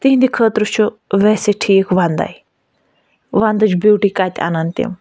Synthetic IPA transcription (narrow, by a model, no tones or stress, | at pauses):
t̪iɦĩnd̪ikʰəːt̪ɾut͡ʃʰu | ʋɛːseʈʰiːkʋand̪a̰j | ʋand̪ɨt͡ʃʰbuːʈikat̪ʲa̰nɐnt̪ḭm